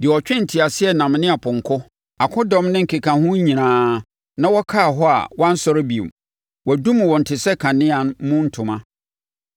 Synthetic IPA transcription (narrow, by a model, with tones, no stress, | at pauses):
dɪ˨ɔ˨t͡ɕᶣɪ̃˦n̩˨tʰi˨a˨sɪ˦ɛ˨nã˨mnɪ̃˦a˨pʰʊ̃˨ŋ˨kʰʊ˦ | a˨kʰʊ̃˦dɔ̃˦mnɪ̃˦ŋ̩˨kʰe˨kʰã˨hʊ̃˦ɲĩ˨nãː˦ | nã˦wɔ˦kʰa˦˨ɦɔ˦a̰˨wã˦n̩˦sɔ˦ɾɪ˦bi˨ṵ˨ | wɔ˨dũ˦m̃˨wɔ˨n̩˨tʰɪ˨sɛ˦kʰã˨nɪ̃˦a˨n˦mʊ̃˦n̩˦tʰʊ̃˨mã˦